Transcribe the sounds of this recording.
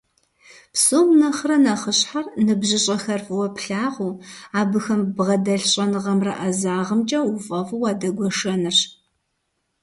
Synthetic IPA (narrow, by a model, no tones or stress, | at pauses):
psoːmnɐχrɐnɐχəɕħarnɨbʑɪɕʼɐxɐrfʼɨwɐpɬaːʁʷuːaːbɨxɐmbʁɐdɐɬɕʼɐnɨʁɐmrɐ̰ʔɐzaːʁəmt͡ʃʼɐufʼɐfuwaːdɐɡʷɔʂɐnɨr